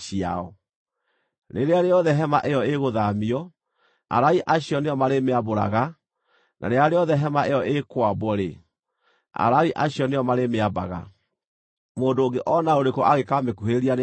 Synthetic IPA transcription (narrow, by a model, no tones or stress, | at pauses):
ia̰ɔ | neɾeaɾeɔðɛɦɛmaʔeɔeɣoðamiɔ | a̰ɾaiʔaɕiɔneɔmaɾemeaboɾa̰ɣa | nʔa̰ɾeaɾeɔðɛɦɛmaʔeɔʔekwabɔɾḛ | a̰ɾaiʔaɕjɔneɔmaɾemeaba̰ɣa̰ | moːndoːɡeʔɔnaoɾekɔʔaɣekamekuɦeɾeɾian